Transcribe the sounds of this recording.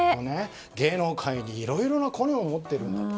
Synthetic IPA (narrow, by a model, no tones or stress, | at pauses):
one | ɡe̞ːno̞ːkʰaiɲ̟iːɾo̞iɾo̞nakʰo̞neomo̞t̪ːe̞ɾɯ̟̃nd̪a